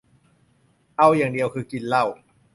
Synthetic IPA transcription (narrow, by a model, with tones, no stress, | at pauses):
ʔa˧wjaː˨˩ŋdi˨˧əwkʰɯː˧ki˧nla˥˩w